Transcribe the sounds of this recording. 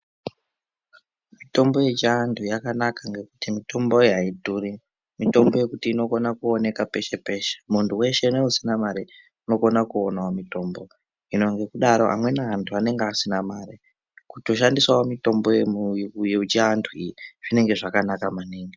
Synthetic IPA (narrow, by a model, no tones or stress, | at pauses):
mito̞mbo̞je̞d͡ʒaːndujakanakaŋɡe̞kutimito̞mbo̞iaituːri | mito̞mbo̞je̞kutiːno̞ko̞nakuone̞kape̞ʃe̞pe̞ʃe̥muntʰuwe̞ʃeneusinamaɾe | uno̞konakuonawamito̞mbo̞ | ino̞ŋɡe̞kuɗaɾo̞̰a̰mwe̞naantʰuane̞ŋɡeasinamaɾe | kuto̞ʃandiswawomito̞mbojeujeud͡ʒaːndʰuijiʐ̥ine̞ŋɡe̞ʐakanakamaniːŋɡi